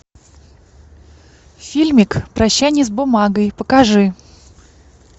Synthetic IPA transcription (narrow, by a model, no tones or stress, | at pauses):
fʲilʲmʲɪkpɾɐɕːænʲɪsbʊmaɡəjpəkɐʐɨ